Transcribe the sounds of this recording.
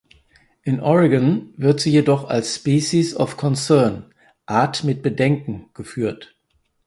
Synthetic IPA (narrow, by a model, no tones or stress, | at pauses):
ʔɪnʔɔʁɪɡənvɪɐtz̥iːjedɔχa̰lsspiːʃisɔfkʰɔnsɛɐn | ʔaɐtmɪt̚b̥ədɛŋkŋ̩ɡ̥əfyːɐt